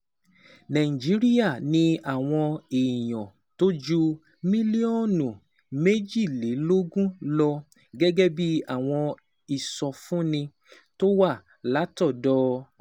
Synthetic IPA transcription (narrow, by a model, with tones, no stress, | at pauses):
nã˨ĩ˨d͡ʒi˨˦ɾi˦ja˦˨nĩ˧a˦˨w̃ɔ̃˧e˨i˨j̃ɔ̃˨ | to˦d͡ʒu˦ | mĩ˦li˦ɔ˦˨nũ˨ | me˦d͡ʒi˦˨le˨˦lo˦ɡũ˦lɔ˧ | ɡɛ˦ɡɛ˦bi˦a˦˨w̃ɔ̃˧ | i˨sɔ˧fũ˦nĩ˧ | to˦wa˦˨ | la˨˦tɔ˦˨dɔ˦